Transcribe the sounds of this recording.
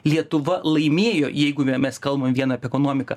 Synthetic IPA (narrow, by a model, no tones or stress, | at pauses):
lʲiɛt̪ʊʋɐlˠɐɪmʲeːjoːjɛɪɡʊmʲɛskɐlˠbɐmʲʋʲiɛnɐɐpʲiɛkoːnoːmʲɪkɐ